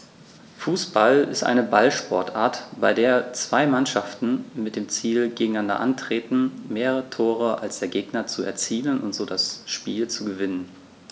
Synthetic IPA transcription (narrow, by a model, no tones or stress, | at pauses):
fuːsb̥alɪstʔa̰ɪnəbalʃpɔɐtʔaːɐtb̥aɪdeːɐt͡sv̥aɪmanʃaftn̩mɪt̚d̥eːmt͡siːlɡeːɡŋ̩nandɐ̰ʔantʁ̥eːtn̩meːʁəʁʁətʰoːʁ̞əʔa̰lsd̥eːɐɡeːɡnɐt͡suɛ̰ɐt͡siːlənʊ̰ntz̥oːdasʃpiːlt͡suɡəvɪnən